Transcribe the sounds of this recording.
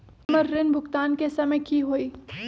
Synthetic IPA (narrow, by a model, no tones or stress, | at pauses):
məɾːɪnbʱʊkt̪aːnkesɐməjkiɦoːiː